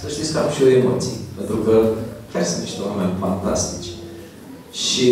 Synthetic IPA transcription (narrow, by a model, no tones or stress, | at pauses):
səʃt̪itskəamʃioemot̪sipent̪ɾukəkʲarsəmiʃt̪ewamanfant̪ast̪it͡ʃʲ | ʃi